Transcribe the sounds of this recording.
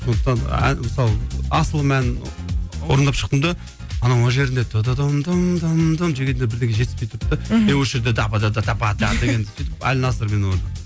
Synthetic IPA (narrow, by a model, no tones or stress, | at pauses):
ssond̪əq̚t̪ɑnæ̰məsɑlˠɑsəlˠmænɪwo̞̰ɾənd̪ɑpʃə̥q̚t̪əmd̪ɑ | ɑnɑnwoʒe̞ɾɪnd̪et̪ʰːod̪ɑd̪ɑmd̪ɑmd̪ɑmd̪amʒekʲend̪ebɪɾd̪ekʲeʒe̞t̪ɪspe̞jt̪ʰʊɾəp̚t̪ːənewɵʃeɾd̪ed̪ɑpɑd̪ɑd̪ɑt̪ʰɑpɑt̪ʰɑd̪eɡʲe̞nd̪ɪsijt̪ɪpæ̰lɪnɑsəɾme̞noɾn